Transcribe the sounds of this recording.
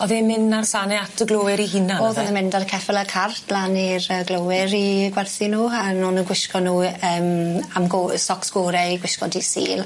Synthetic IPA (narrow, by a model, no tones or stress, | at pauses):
ɔðeːmɪnarsanɛatəɡlˠoːɪɾihinaoːðɔðəmɪndaɾkʰɛfɛlˠəkʰartʰlˠanirəɡlowɪɾiɡwɛrθinuːanʊnənɡwɪʃkɔnuːəːmamɡosɔksɡ̥oːɾɛɡwɪʃkɔdisḭːlˠ